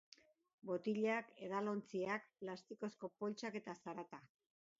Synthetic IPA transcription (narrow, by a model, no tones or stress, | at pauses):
bo̞t̪iʎake̞ðalo̞nt͡siak̚plast̪iko̞sko̞po̞lt͡ʃake̞t̪asaɾat̪a